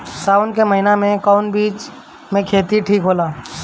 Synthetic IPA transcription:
saːʊnkeməɦɪnamẽkɔʊnbiːt͡ʃ | mẽkʰeːt̪iʈʰiːkɦoːlaː

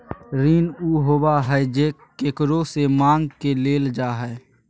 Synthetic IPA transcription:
ɾiːnuːɦoːbaɦɛd͡ʒeː | kekɾosemãːŋɡkeleːld͡ʒaːɦɛː

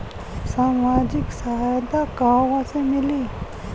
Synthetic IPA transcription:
samad͡ʑik̚sajat̪akawat͡sʰemili

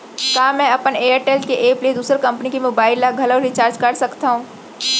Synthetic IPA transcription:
kaːmɛ̃ɐpəneːəɾʈeːlkeʔeːplied̪uːsɾekɐ̃mpnikimoːbaːɪlːaɡʱɐloɾɪt͡ʃaːɾd͡ʒkɐɾsɐkt̪aɦũː

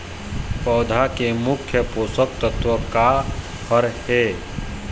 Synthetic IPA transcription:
pɔːd̪ʱakemʊkʰjəpoːsək̚t̪ət̪wəka | həɾhe

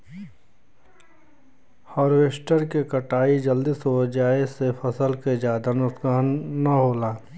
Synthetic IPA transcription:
hɔːɾʋeːsʈəɾkekɐʈaːid͡ʒɐld̪isod͡ʒaːesefɐsəlked͡ʒjaːd̪anʊskaːnːaɦoːlaː

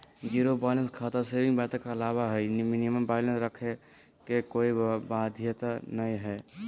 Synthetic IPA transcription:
d͡ʒiːɾobaːɪlənskʰaːt̪əɾsebĩŋɡbat̪ẽkeɐlaːwaɦɛniminiməmbaɪlənsɾəkʰe | kekoːibad̪ʱjət̪anəĩɦɛː

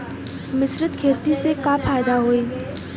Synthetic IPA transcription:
mɪsɾɪt̪kʰeːt̪isekafʰaːjd̪aɦoiː

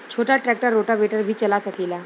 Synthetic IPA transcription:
t͡ʃʰoʈaʈɾɛk̚ʈəɾːoʈaʋeʈəɾbʱiːt͡ʃɐlasəkiːlaː

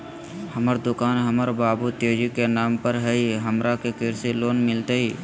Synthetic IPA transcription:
həməɾd̪ʊkaːnɦəməɾbaːbut̪eːd͡ʒikenaːmpəɾɦəiɦəmɾakekɪɾsiloːnmɪlt̪eiː

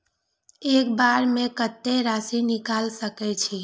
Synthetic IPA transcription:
ekbaɾmekət̪ːeɾasinikalsəkɛt͡ʃʰi

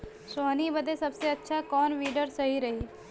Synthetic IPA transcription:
soːnibəd̪ʱesɐbseɐtːʃʰakɔːnʋiːɖəɾsɐɦiɾɐɦiː

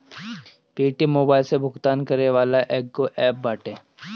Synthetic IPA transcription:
piːʈimoːbaːɪlsebʱʊɡt̪aːnkɐɾneʋaːlaʔɛːk̚koʔɛːp̚baːʈẽː

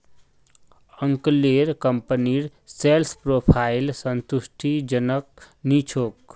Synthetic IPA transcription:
əŋkleɾkəmpəniɾselspɾopʰailsənt̪usʈʰid͡ʒənək̚ | nit͡ʃʰok

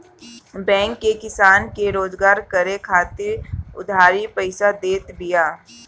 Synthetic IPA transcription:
bɛ̃ːŋkːekɪsaːnkeɾoːzɡaːɾkəɾekʰaːt̪ɪɾʊ̰d̪ʱaːɾipəɪsad̪eːt̪bɪjaː

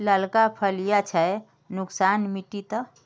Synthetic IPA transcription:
ləlkapʰəlijat͡ʃʰɛ | nuksanmiʈit̪ə

